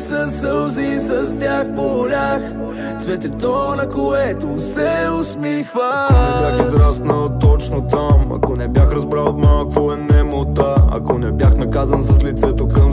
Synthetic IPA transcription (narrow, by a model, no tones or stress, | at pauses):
sɐsəlˠzisɐst̪ʲaxpolʲax | t̪vɛt̪ɛt̪ɔnɐkoɛt̪osɛʊsmixvəkonɛbjaxizɾasnət̪ɔt͡ʃnot̪amɐ̰konɛbjaxɾɐzbɾalˠot̪malˠkvoɛnɛmot̪aɐ̰konɛbjaxnɐkazɐnsɐslit̪sɛt̪okɐm